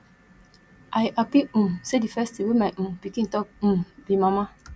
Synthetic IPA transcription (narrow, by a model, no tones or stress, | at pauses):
ʔajʔapiũmsedifɛstiwemaʔũpikĩtɔp̩̚mbimãmã